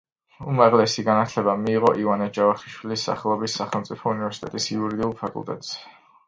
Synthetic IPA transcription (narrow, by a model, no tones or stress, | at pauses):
umaʁlɛsiɡanat̪ʰlɛbamiːʁɔʔivanad͡ʒavaχiʃwilisːa̰χɛlˠɔbisːaχɛlˠmt̪sʼipʰɔunivɛɾsi̥t̪ʼɛ̰t̪ʼisiuɾid̪iulˠpʰakʼṵlˠt̪ʼɛ̰t̪ʼz̥ɛ